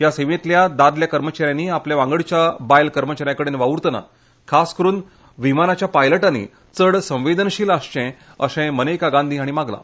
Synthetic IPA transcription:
ɦjaseʋẽt̪ljad̪ad̪ljakəɾmət͡ɕaɾjãniːapljaʋãŋɡəɭt͡ɕjabajlkəɾmət͡ɕaɾjãkəɽenʋaʋuɾt̪na̰ | kʰaskəɾuːn | ʋimanat͡ɕjapajləʈanḭ | t͡səɽsə̃w̃ʋed̪ənɕiːlaɕt͡ɕɛ̃ | əsɛ̃mənekaɡãnd̪ʱiaɽ̃imaɡla̰

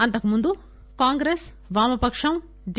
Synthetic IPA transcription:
ɐnt̪ɐkːɐmund̪u | kaːŋɡɾeːs | ʋaːmɐpɐkʂɐm | d̪

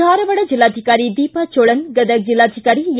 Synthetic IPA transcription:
aːɾɐʋɐɽɐd͡ʒilːaːd̪ʱikaːɾid̪iːpɐt͡ʃoːɭɐnɡɐd̪ək̚d͡ʒilːaːd̪ʱikaːɾij

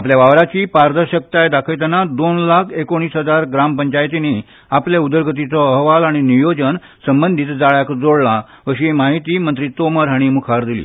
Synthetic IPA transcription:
apljaʋaʋɾat͡ɕiːpaɾd̪əɾɕək̚t̪ajd̪akʰəjt̪ənad̪onlakʰekoɽ̃iːsɦəd͡zaɾɡɾampəɲt͡ɕajt̪ini | apljaud̪əɾɡʱət̪̬it͡sɔəɦʋalaɽ̃inijod͡zən | səmbənd̪ʱiːt̪d͡zaɭjakd͡zoɽla | əɕiemaɦit̪iːmənt̪ɾit̪oməɾɦəɽ̃imukʰaɾd̪ilḭː

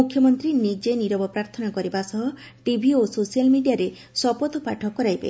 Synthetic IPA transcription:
ukʰjɔmɔnt̪ɾinid͡ʒeniɾɔbɔpɾaɾt̪ʰɔnakɔɾibasɔɦɔ | ʈibʱiososijalmiɖijaɾe | sɔpɔt̪ɔpaʈʰɔkɔɾajbḛ

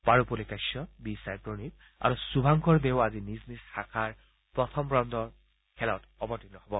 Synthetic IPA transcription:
paɹupɔlikajsɔbisajpɹonit | a̰ɹusubʱaŋkʰɔɹbeʊaziniznisxakʰaɹ | pɹɔt̪ʰɔmbɹɔndɔɹ | kʰɛlɔtɔbɔtinɔhɔbɔ

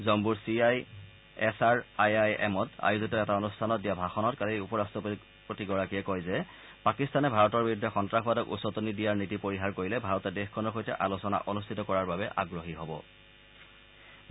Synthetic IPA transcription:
zɔmbuɹsiaj | ɛsaɹajajɛ̰mɔta̰juzitɔɛtaonustʰanɔt̚dijabʱaxɔnɔtkaliiupɔɹastɹɔp | potiɡɔɹakijɛkɔjzɛ | pakistanɛbʱaɹɔtɔɹbiɹudʱːɛxɔntɹaxbadɔkṵsɔtonidijaɹnitipoɹiɦaɹkoɹilɛbʱaɹɔtɛdexkʰɔnɔɹxojtɛʔalosɔna̰ʔonustʰitɔkɔɹaɹbabɛʔaɡɹoɦiɦɔbɔ̰

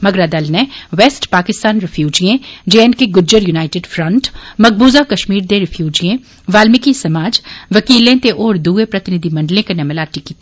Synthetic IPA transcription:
mɐɡɾad̪ɐlnẽʋeːsʈpaːkɪst̪aːnɾɪfʰjuːd͡ʒiẽd͡ʒeːnkeɡʊd͡ʒəɾjunaːɪʈeːɖfɾɐ̃ɳʈmɐɡ̚buːzakɐʃmiːɾd̪ẽɾɪfʰjuːd͡ʒiẽ | ʋaːlmɪkisɐmaːd͡ʒʋɐkiːlẽt̪eʔɔːɾd̪uːepɾɐt̪ɪnɪd̪ʱimɐ̃ɳɖlẽkenɐməlaːʈikiːt̪

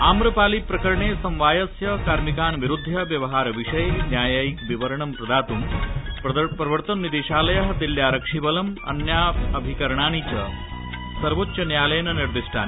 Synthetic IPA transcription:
aːmɾɐpaːlipɾɐkɐɾɐɳeːsɐ̃mʋaːjɐsjɐkaːɾmikaːnʋiɾud̪ʱːɐʋjɐʋɐɦaːɾɐʋiʂɐjnjaːjaːjikʋiʋɐɾɐɳɐmpɾɐd̪aːt̪um | pɾɐʋɐɾt̪ɐnːid̪eːʃaːlɐjɐɦɐd̪iljaːɾɐkʂibɐlɐmɐ̰njaːɐbʱikɐɾɐɳaːnit͡ʃɐ̰ | sɐɾʋotːɕɐnjaːlɐjnɐniɾd̪iʂʈʰa̰ːni

